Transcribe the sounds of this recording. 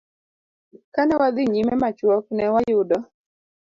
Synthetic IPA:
kanɛwad̪ɪɲimɛmat͡ʃwɔknɛwajʊdɔ

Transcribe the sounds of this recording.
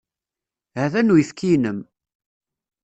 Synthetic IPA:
hæðænujifkːinəm

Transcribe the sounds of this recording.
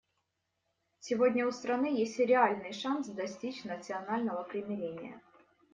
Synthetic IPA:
sʲɪvodʲnʲəʊst̪ɾɐnɨjesʲtʲɾʲɪalʲnɨjʂansd̪ɐsʲtʲit͡ɕnət̪sɨɐnalʲnəvəpɾʲɪmʲɪɾʲenʲɪjə̰

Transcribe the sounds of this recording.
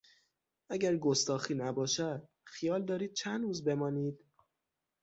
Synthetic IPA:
ʔæɟæɾɡost̪ɒːxiːnæbɒːʃæd̪̥̚ | xijɒːld̪ɒːɾiːd̪̥̚t͡ʃʰænd̪ɾuːzbe̞mɒːniːd̪̥

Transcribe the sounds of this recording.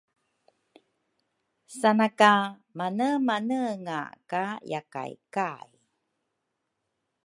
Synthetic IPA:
sanakamanəmanəŋa̰kajaka̰jkaj

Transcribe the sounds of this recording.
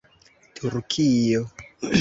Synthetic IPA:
tʰuɾkʰijo

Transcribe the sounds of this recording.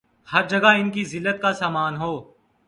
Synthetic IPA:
hɐɾd͡ʒɐɡaɪnkizɪlːət̪̚kasaːmaːnɦoː

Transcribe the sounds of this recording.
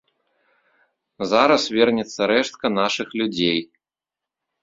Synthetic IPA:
zaɾɐsvʲɛrnʲɛt̪sːɐɾɛʂt̪̚kɐn̪aʂɨxlʲud͡zʲej

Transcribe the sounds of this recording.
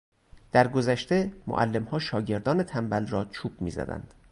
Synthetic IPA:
d̪̥æɾɡozæʃt̪emo̰ʔæ̰lːe̞mhɒːʃɒːɟe̞ɾd̪ɒːne̞t̪ʰæmbælrɒːt͡ʃʰuːb̥̚mḭːzæ̰d̪æ̰nd̪̥

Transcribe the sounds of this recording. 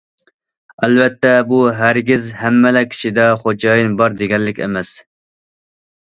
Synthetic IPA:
ɛlvɛt̪ʰːɛbuɦæɾɡʲizhæmːɛlɛkʲʰi̥ʃid̪ɛχod͡ʒɑːjinbɑɾd̪eɡʲɛnlɪkʲḛmɛs

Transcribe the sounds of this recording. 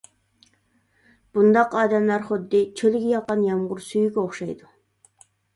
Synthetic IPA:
b̥und̪ɑqɑːd̪ɛmlˠɑɾχʊd̪ːɪt͡ʃʰølɡʲijɑqɑnjɑmʁʊɾsyjyɡʲɛoχʃɑjd̪u

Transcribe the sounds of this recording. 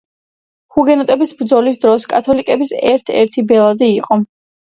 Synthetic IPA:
huɡɛnɔt̪ʼɛbisbɾd̪zɔlis̬d̪ɾɔskʼat̪ʰɔlikʼɛbisɛ̰ɾt̪ʰɛ̰ɾt̪ʰibɛlˠad̪iːqʼɔ

